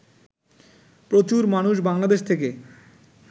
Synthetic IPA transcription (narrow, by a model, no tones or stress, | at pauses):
pɾot͡ɕuɾmanuʃbaŋlad̪eʃt̪ʰek̬e